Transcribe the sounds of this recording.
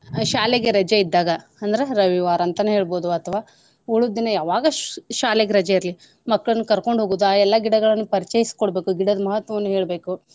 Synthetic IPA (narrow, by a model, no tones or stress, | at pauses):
ʃaːleɡe̞ɾɐd͡ʒɐid̪ːaːɡɐɐnd̪ɐɾeɾɐʋiʋaːɾɐɐnt̪ɐnːeɦe̞ːɭbo̞ːd̪uɐt̪ʰɐʋaː | uɭud̪ːinɐjaːʋaːɡɐʃaːleɡeɾɐd͡ʒɐiɾli | mɐkːɐɭɐnːukɐɾko̞ɳɖɦoːɡuːd̪aːɛlːɐɡiɽɐɡɐɭɐnːupɐɾit͡ʃejiskoɽbe̞ːkuɡiɽɐd̪ɐmɐɦɐt̪ʋɐʋɐnːuɦeːɭbe̞ːku